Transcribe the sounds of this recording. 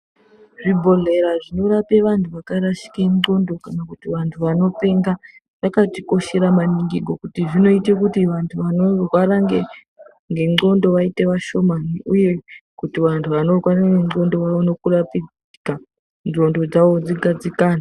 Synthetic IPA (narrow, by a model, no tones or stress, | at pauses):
ʐibʱo̞ɮe̞ɾaʐino̞ɾape̞ʋantʰuʋakaɾaʃi̥keŋo̞ndo̞kanakutiʋantʰuʋano̞pe̞ŋɡa | ʋakatiko̞ʃe̞ɾamaniŋɡiɡʱo̞kutiʐino̞itekutiʋantʰuʋano̞rwaɾaŋɡe | ŋɡe̞ŋo̞ndo̞ʋaite̞ʋaʃo̞maniuje̞kutiʋantʰuʋano̞rwaɾaŋɡe̞ŋ͡ǃo̞ndo̞ʋaono̞kurapid͡ziika | no̞ndo̞d͡zaʋo̞d͡ziɡʱad͡zikaːna